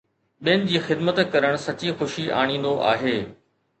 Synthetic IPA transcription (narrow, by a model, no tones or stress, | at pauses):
ɓinɪ̆d͡ʑiːxɪd̪mət̪kɐɾəɽ̃sɐt͡ɕixʊʃiʔa̰ːɽ̃ĩːnd̪oʔa̰ːɦeː